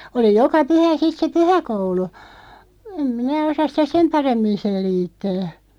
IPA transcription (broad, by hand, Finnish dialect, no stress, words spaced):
oli jokɑ pyhæ sit se pyhækoulu em minæ osɑs̆ sitæ sem pɑremːin̞ selˑiːtːæː